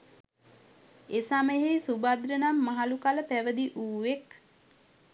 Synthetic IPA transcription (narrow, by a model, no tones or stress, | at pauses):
esaməɦesubad̪ɾənamːaɦalukaləpæʋəd̪iʔuːʋek